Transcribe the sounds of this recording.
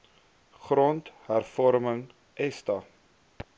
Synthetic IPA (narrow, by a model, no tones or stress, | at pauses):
χrɔntɦærfɔɾməŋ | ʔɛstɐ